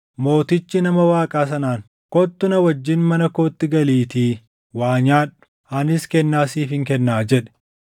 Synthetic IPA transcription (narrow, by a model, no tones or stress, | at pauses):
mo̞ːt̪ɪt͡ʃːɪnɐmɐwaːkʼaːsɐnaːŋ | kɔt̪ːʊnɐwɐd͡ʒːɪnmɐnɐkoːt̪ːɪɡɐliːt̪iː | waːɲaːᶑʊ̥ | ɐnɪskɛnːaːsiːfɪŋkɛnːaːd͡ʒɛᶑɛ̥